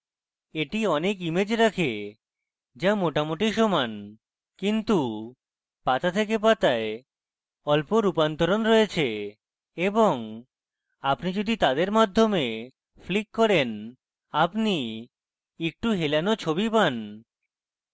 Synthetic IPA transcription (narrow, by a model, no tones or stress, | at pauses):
eʈiɔnekimed͡ʑɾakʰe | d͡ʑamoʈamoʈiʃɔman | kint̪u | pat̪at̪ʰek̬ep̬at̪ae | ɔlpoɾupant̪oɾonɾoet͡ɕʰe | eboŋ | apnid͡ʑod̪ʱit̪ad̪eɾmad̪ʱːome | flikːɔɾen | apni | ek̚ʈuɦelanot͡ɕʰobipan